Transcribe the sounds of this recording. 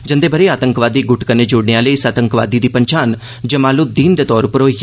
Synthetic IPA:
d͡ʒənd̪eːbʱəɾeːaːt̪əŋkʋaːd̪iːɡʊʈkəneːd͡ʒoːɽneãːləiːsaːt̪əŋkʋa̰ːd̪iːd̪iːpəɲt͡ʃaːn | d͡ʒəmaːlud̪iːnd̪eːt̪ɔːɾʊpəɾoːi

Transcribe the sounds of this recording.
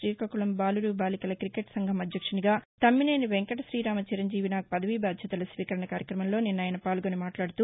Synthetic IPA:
iːkɐkuɭɐmbaːluɾubaːlikɐlɐkɾikeʈsɐŋɡʱɐmɐd̪ʱjɐkʂɐniɡaːt̪ɐmːine̞ːniʋeŋkɐʈɐsɾiːɾaːmɐt͡ʃiɾɐɲd͡ʒiːʋinaːk̚pɐd̪ɐʋibaːd̪ʱjɐt̪ɐlɐsʋiːkɐɾɐɳɐkaːɾjɐkɾɐmɐmlo̞ːninːaːjɐnɐpaːlɡonimaːʈlaːɽut̪uː

